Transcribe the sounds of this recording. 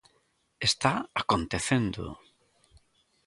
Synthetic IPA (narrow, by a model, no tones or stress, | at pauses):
est̪aakont̪eθend̪o̰